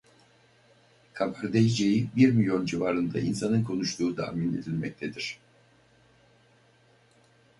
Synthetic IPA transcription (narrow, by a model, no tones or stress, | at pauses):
kʰabaɾd̪ejid͡ʒejibiɾmilʲjo̞nd͡ʒivaːɾɯnd̪a̰ʔḭnsanɯnkʰo̞nuʃt̪ʰuːt̪ʰa̰mine̞d̪ilʲmɛc̚t̪ʰed̪iɾ̥